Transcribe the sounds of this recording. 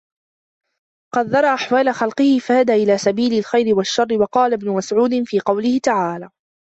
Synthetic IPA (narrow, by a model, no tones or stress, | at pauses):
qɑd̪ːɑɾˤɑːʔaħwaːlaxɑlqɨhɪfahad̪aːʔɪlaːsabiːlalxajɾɪwaʃːɑrˤːɪwɑqɑːlabnʊmasʕuːd̪ɪnfiːqɑwlɪhɪt̪aʕaːlaː